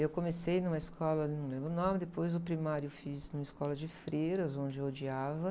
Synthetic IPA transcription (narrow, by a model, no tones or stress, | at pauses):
ewkõmesejnũmɐiskɔlɐnɐ̃w̃lẽmbɾʊnõmɪd̪epojzʊpɾimaɾjʊfiznũmɐɪskɔlɐd͡ʒɪfɾejɾɐzõd͡ʒɪewod͡ʒiavɐ